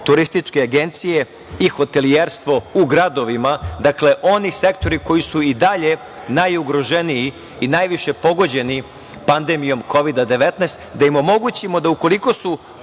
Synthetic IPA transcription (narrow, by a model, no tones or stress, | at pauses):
t̪uɾist̪it͡ʃke̞aɡe̞nt̪sije̞ | ixo̞t̪e̞lieɾst̪ʋo̞uɡɾad̪o̞ʋimad̪akle̞ʔo̞nise̞kt̪o̞ɾiko̞jisuid̪aʎe̞ | najuɡɾo̞ʒenijiː | najʋiʃe̞po̞ɡo̞d͡ʑe̞ni | pand̪emijo̞mkʰo̞ʋid̪ad̪e̞ʋet̪nɛːst̪d̪aimo̞mo̞ɡut͡ɕimo̞d̪auko̞liko̞su